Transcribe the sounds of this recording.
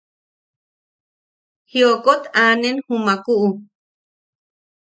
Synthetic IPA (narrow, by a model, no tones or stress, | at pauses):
hjokot̪aːnenhumakuʔu